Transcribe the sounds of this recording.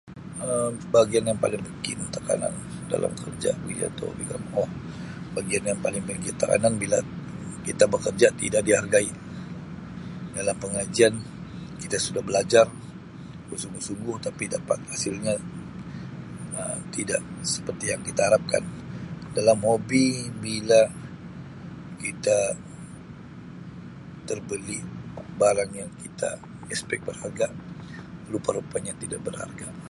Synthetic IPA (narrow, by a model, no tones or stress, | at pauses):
əmbaɡianjaŋpa̰lɪŋməkɪ̰nt̪aka̰na̰nda̰la̰mkʰərd͡ʒa̰bd͡ʒa̰t̪o̰bila̰mɔh | baɡianjaŋpalɪŋbikiat̪ːaka̰nanbilakit̪abəkərd͡ʒat̪ḭdaʔdiharɡaiʔ | dalampəŋad͡ʒian | kit̪asudahbəlad͡ʒar | bəsuŋɡʊhsuŋɡʊht̪apidapa̰t̪̚hasɪlɲa | ət̪idaʔsə̥pərt̪ijaŋkit̪aɦaɾap̚ka̰ndalamhobibila | kit̪a | t̪ərbəlibaɾaŋjaŋkit̪ʰa̰ | ɛspɛk̚bərharɡa | lupaɾupaɲat̪idaʔbərha̰rɡa̰